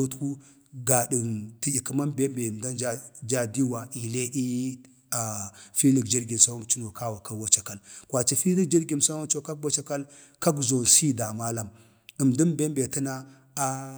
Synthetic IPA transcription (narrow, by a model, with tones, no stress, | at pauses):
o˦tku˦ | ɡa˨ɗi˨nti˨i˨ki˨˦ma˦mbe˦mbe˨mda˦nd͡ʒa˦d͡ʒa˦di˦wa˨i˨le˦ʔi˦ | a˨fi˦li˨kd͡ʒi˦ɾɡʲi˨msa˦wa˦nt͡ʃi˦no˨ka˦wa˨ka˦wa˦t͡ʃa˨ka˨lkwa˨t͡ʃi˨˦fi˦li˦kd͡ʒi˦ɾɡi˨msa˦wa˦nt͡ʃo˦ka˦kwa˦t͡ʃa˦ka˦l | ka˦kzo˨nsi˦da˨ma˦la˦m | i˨mdi˦mbe˦mbe˨ti˦na˦ | a˦